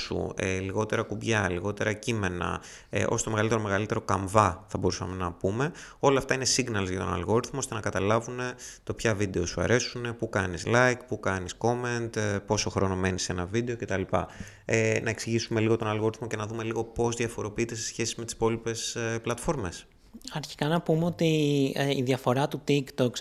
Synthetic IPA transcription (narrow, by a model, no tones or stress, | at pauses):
sṵeliɣo̞t̪e̞ɾɐkubʝɐliɣo̞t̪e̞ɾɐcime̞nɐ̰ | ḛʔo̞̰sot̪ome̞ɣɐlit̪eɾo̞me̞ɣɐlit̪e̞ɾo̞kɐɱvɐθɐbo̞ɾusɐme̞nɐpume̞o̞lɐːft̪ɐinesiɡnɐlozʝɐt̪o̞nɐ̰lɣoɾiθmoost̪e̞nɐkɐt̪ɐlɐvune̞t̪o̞pçɐvid̪e̞o̞suɐ̰ɾe̞sune̞pukɐnizlɐjkpukɐnisko̞me̞nt̪po̞so̞xɾo̞no̞me̞nisenɐvid̪e̞oce̞t̪ɐlipɐ̰ | enɐe̞ksiʝisume̞liɣo̞t̪o̞nɐlɣoɾiθmo̞ce̞nɐðume̞liɣo̞po̞zðiɐfo̞ɾo̞piit̪e̞se̞̥sçe̞sime̞t̪i̥spo̞lipe̞seplɐt̪fo̞ɾme̞s | ɐɾçi̥kɐnɐpumeot̪iiðjɐfo̞ɾɐt̪ut̪ikt̪ok